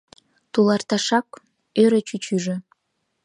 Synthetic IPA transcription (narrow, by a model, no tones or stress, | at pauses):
t̪ulˠɑrt̪ɑʃɑk | øɾə̆t͡ɕyt͡ɕyʒĕ